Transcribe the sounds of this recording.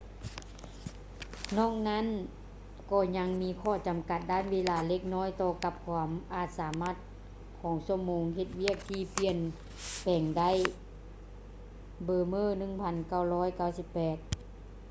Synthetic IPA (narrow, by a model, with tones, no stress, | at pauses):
nɔː˧˥˨ŋ̚na˧˥˨n | kɔː˧˩ɲa˧˥ŋmiː˧˥kʰɔː˧˩t͡ɕa˨˩˦mka˧˩t̪̚daː˧˥˨nweː˧˥laː˧le˧˥k̚nɔː˧˥˨jt̪ɔː˧ka˧˥p̚kʰwaː˧mʔaː˧˩t̪̚saː˩˦maː˧˥˩t̪̚ | kʰɔː˨˦ŋsu˧˩əmːoː˨˧˦ŋɦe˧t̪̚wi˥˩ək̚t̪ʰiː˧pi˧˩ən | pɛː˨˩ŋda˧˥˨j | bɤː˧˩mɤː˧˥˩nɯ˧˩˨ŋpʰa˧nka˧˩wlɔː˦˥˨jka˧˩wsi˧˥pːɛː˨˩t̪̚